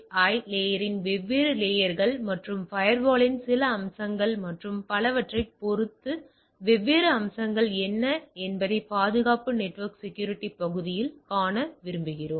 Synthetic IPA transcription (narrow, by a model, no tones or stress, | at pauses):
ɐːɪleːjɐɾɪnʋɛʋːeːɾɯleːjɐɾɣɐɭmɐʈrɯmfɐjɐɾʋaːɭɪnsɪlɐːmsɐŋɡɐɭmɐʈrɯmpɐlɐʋɐʈrɐɪpɔɾɯt̪ːɯ | ʋɛʋːeːɾɐːmsɐŋɡɐɭɛnːɐɛnbɐðɐɪpaːðɯɣaːpɯnɛʈːʋɐɾksɛkjuːɾɪʈːipɐɣɯðɪjɪlkaːnɐʋɪɾɯmbɯɣɪroːm